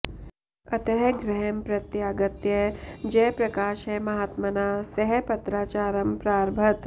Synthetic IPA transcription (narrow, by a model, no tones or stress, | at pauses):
ɐt̪ɐɦɛɡɾɐɦɛmpɾɐt̪jaːɡɐt̪jɐd͡ʒɛːpɾɐkaːʃeːmɐɦat̪mɐnaːsɐɦpɐt̪ɾaːt͡ʃaːɾɐmpɾaːɾbʱɐt̪